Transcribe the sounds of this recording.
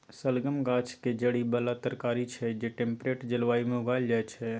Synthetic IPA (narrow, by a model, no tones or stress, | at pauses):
səlɡəmɡaːt͡ʃʰked͡ʒəɽibəlat̪əɾkaːɾit͡ʃʰɛd͡ʒeʈẽːmpɾeːʈd͡ʒəlʋaːimẽʊɡaːld͡ʒaːɛt͡ʃʰɛ